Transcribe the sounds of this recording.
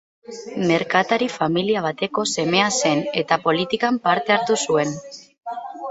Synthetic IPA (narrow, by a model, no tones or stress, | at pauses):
me̞ɾkat̪aɾifamiliaβ̞at̪e̞ko̞se̞me̞ase̞ne̞t̪apo̞lit̪ikampaɾt̪e̞aɾt̪usue̞n